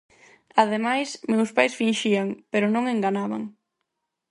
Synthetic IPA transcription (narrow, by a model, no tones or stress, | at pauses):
aðemajsmewspajsfinʃiaŋpeɾʊnõŋeŋɡanaβa̰ŋ